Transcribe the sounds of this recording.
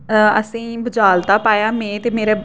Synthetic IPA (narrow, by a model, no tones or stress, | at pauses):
əsĩːbəd͡ʒaːlt̪aːpaːjaːmẽːt̪eːmeːɾeː